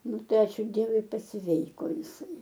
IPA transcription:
ˈnʊ ˈtɐɪ ˈɑːt͡ʃʲuː ˈdʲiɛʋʊɪ pɐsʲˈʋʲɛɪkoː jɪˈsɐɪ

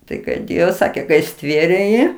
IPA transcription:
ˈtɐɪ kɐɪ ˈdʲeːjoː ˈsɑːkʲeː kɐɪ ˈsʲtʲʋʲeːrʲeː ˈjiː

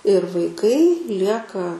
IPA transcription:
ɪr ʋɐɪˈkɐɪ ˈlʲiɛkɐ

